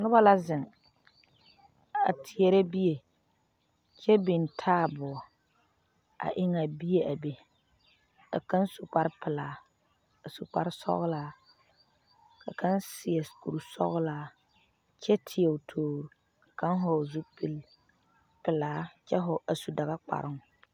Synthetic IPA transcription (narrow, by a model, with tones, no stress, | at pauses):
nʊ˦ba˦la˦zɪ˨ŋ | a̰˨tʰɪ˨ɛ˨ɾe˦bi˦je˨ | t͡ʃɛ˦bi˨ntʰaː˦˨bʊ˨ɔ˨ | a̰˨ʔɪ˦ŋa˨bi˦je˨ʔa˨be˨ | ka̰˨ka˦nsu˨k͡pa˦ɾpɪ˨laː˨˦ | a˨su˨k͡pa̰˦ɾsɔ̰˦ɣlaː˦ | ka̰˨kʰa˦nsɪ˨ɛ˨sku˨ɾsɔ̰˦ɣlaː˨ | t͡ʃɛ˦tʰɪ˨ɛ˨tʰoː˨ɾ | ka˨ka˦n˦ɦɔ˨zu˦pi˦l | pɪ˨laː˨˦t͡ʃɛ˦ɦʊ˨ʔa˨su˨da˨ɣa˦k͡pa̰˨ɾɪ˦ŋ˨